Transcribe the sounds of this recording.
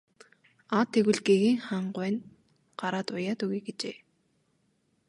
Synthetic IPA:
at̪ʰːeɣwɘ̆ɮɡeɣiːŋχaɴɢwæːn | ɢ̥aɾaːt̪ʊjaːt̪ɵɣiːɡet͡ɕeː

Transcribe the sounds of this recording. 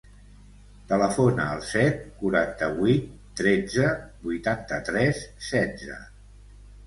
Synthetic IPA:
t̪ələfonəːlˠsɛt̪̚kuɾant̪əβit̪ːɾed͡zəbujt̪ant̪ət̪ɾɛsːɛd͡zə̰

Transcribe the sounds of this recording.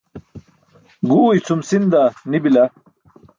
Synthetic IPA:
ɡuːit͡sʰumsind̪anibilɐ

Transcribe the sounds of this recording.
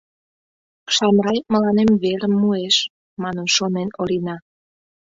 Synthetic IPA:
ʃɑmɾɑjməlɑnemβeɾəmːueʃ | mɑnənʃonenolinɑ

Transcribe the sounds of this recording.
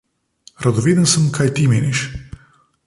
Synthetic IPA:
ɾad̪ɔʋeːd̪ənsəmkʰaːjt̪imeːniʃ

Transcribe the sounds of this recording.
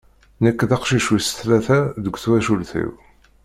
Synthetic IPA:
nækːðɑqʃiʃusə̥θlæθæðəɡʷθwæʃulθḭw

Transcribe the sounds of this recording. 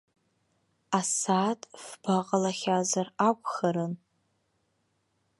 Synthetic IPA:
asaːtʼfb̥aqʼalaχʲazarakʷʰʼχaɾɨn

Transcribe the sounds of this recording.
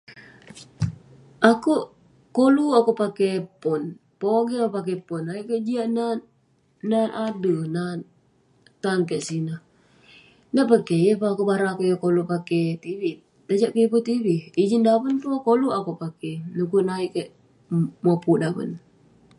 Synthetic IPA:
ʔakuʔ | koluakupakɛpɔnpoɡiakupak̬ɛpɔnːaiʔkɛʔd͡ʒiaʔna | nanʔadənan | t̪ankɛʔsinah | naʔpəkɛjəpaakuʔbaɾakuʔjəkolupakɛt̪iβi | t̪əd͡ʒaʔkeikut̪ibiid͡ʒindabənt̪uakoluʔakuʔpakɛnukuʔnaiʔkɛʔ | mapuʔdabə̰n

